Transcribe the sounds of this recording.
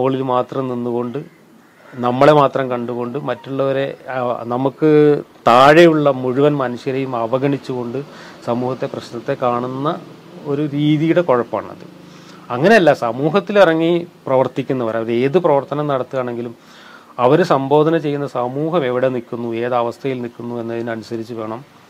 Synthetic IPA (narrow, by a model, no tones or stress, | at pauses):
moːɐɭilmaːt̪rɐmninːuɣo̞ɳɖɨ | nɐmːɐɭe̞maːt̪rɐmkɐɳɖuɣo̞ɳɖɨmɐtːuɭːɐʋɐɾe̞nɐmukːɨt̪aːɻejuɭːɐmuɻuʋɐnmɐnuɕjɐɾejumɐʋɐɣɐɳit͡ɕːuɣo̞ɳɖɨ | sɐmuːhɐt̪ːeprɐɕnɐt̪ːe̞kaːɳunːɐ | o̞ɾuɾiːðijuɽe̞ko̞ɻɐpːa̰ːɳɐ̰ðɨ̰ | ɐŋːɐne̞ɐlːasɐmuːɦɐt̪ːilirɐŋːiprɐʋɐrt̪ikʲːunːɐʋɐɾɐʋɐɾe̞ːðɨprɐʋɐrt̪ɐnɐmnɐɽɐt̪ːɨɣaːɳe̞ŋɡilum | ɐʋɐɾusɐmbo̞ːd̪ɐnɐmt͡ɕe̞jːunːɐsɐmuːɦɐme̞ʋiɽe̞nikːunːue̞ːðɐʋɐst̪ʰɐjilnikːunːue̞nːɐðinɐnusɐɾit͡ɕːuʋe̞ːɳɐm